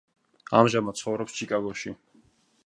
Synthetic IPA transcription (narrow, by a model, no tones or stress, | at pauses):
a̰mʒamat̪̚sʰχɔvɾɔpst͡ʃʰikʼaɡɔʃi